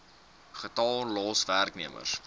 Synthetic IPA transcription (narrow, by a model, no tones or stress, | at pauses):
χətɑːlɑːsværkniəmə̰rs